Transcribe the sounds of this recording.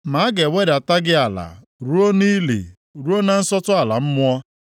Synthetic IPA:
ma˨a˦ɡe˨we˦da˨ta˦ɡɪ˦a˨la̰˨ | ɾu˦o˦ni˦lḛ˨ | ɾu˦o˦na˦n̩˦sɔ˦tʊ˦a˨la˨m̩˦mʊ˦ɔ˦

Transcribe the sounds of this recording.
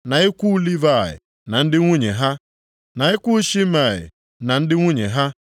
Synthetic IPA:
na˨i˦kʷu˦li˦va˦˨ɪ̰˨ | na˨n̩˦dɪ˦ŋʷu˦ɲe˨ɦa˦ | na˨i˦kʷu˦ʃi˦m̩a˨ɦɪ̰˨ | na˨n̩˦dɪ˦ŋʷu˦ɲe˨ɦa˦

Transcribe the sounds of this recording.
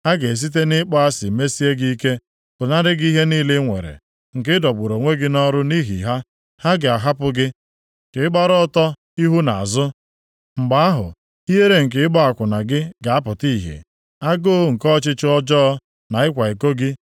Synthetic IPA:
ha˦ɡe˨e˨s̬i˦t̬e˦nɪ˦k͡pɔ˦a˦sɪ˨me˦si˦e˦ɡi˦i˦ke˦ | b̥ʊ˨na˦ɾɪ˦ɡi˦ɦe˦niː˦le˦ŋʷḛ˨ɾḛ˨ | ŋ̩˨k̬ɪ˦dɔ˨ɡ͡bʊ˨ɾo˨ŋʷe˦ɡɪ˦nɔ˦ɾʊ˦ni˦ɦḭ˨ɦa˦ | ha˦ɡɪ˨a˨ɦa˦pʊ˦ɡɪ˦˨ | kɪ˨ɪ˦ɡ͡ba˦ɾɔ˦tɔ˦ | i˦ɦu˦na˨a̰˨zʊ˦ | ŋ͡m̩˨ɡ͡ba˨˦a˦ɦʊ̰˨ | i˦ɦe˦ɾe˦ŋ̩˨k̬ɪ˨ɪ˦ɡ͡ba˦a˨kʷʊ˨na˨ɡɪ˦ɡa˨a˦pʊ˨ti˦˨ɦḛ˨ | a˦ɡoː˦ŋ̩˨kɔ˦t͡ʃɪ˦t͡ʃɪ˦ɔ˦d͡ʒɔ˦ɔ˦ | na˨ɪ˦kʷa˨e˨ko˦ɡɪ˦

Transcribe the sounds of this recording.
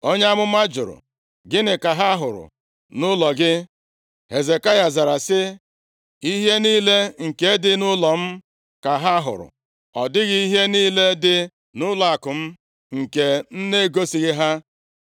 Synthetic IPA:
o˦ɲ˦a˦mʊ˦ma˦d͡ʒʊ̰˨ɾʊ̰˨ | ɡɪ˦nɪ˨ka˨ɦa˦a˦ɦʊ˨ɾʊ̰˨ | nʊ˦lɔ˨ɡɪ˦ | he˨ze˨ka˦ja˨za˨ɾa˨sɪ˦ | i˦ɦe˦niː˦le˦ŋ̩˨ke˨˦dɪ˦nʊ˦lɔ˨m̩˦ | ka˨ɦa˦ɦʊ̰˨ɾʊ̰˨ | ɔ˨dɪ˦ɣɪ˦i˦ɦe˦niː˦le˦dɪ˦ | nʊ˦lɔ˨a˨kʊ˨m̩˦ | ŋ̩˨ke˨n̩˦ne˦ɡo˦si˨ɣɪ˦ɦa˦

